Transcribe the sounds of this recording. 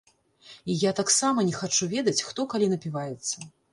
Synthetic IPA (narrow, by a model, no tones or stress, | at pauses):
ijat̪aksamɐnʲɛxat͡ʂuvʲɛd̪ɐt͡sʲxt̪ɔkalʲinɐpʲivajɛt̪sːɐ